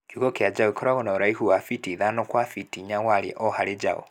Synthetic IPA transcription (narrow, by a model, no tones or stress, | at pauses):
kukɔkead͡ʒaɔikʰɔɾaɣɔnaoɾaihuwafitiðanɔkwafitiɲawaɾeʔɔhaled͡ʒa̰ɔ̰